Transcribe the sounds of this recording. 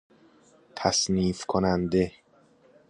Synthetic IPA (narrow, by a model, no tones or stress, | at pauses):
t̪ʰæsniːfkʰonænd̪e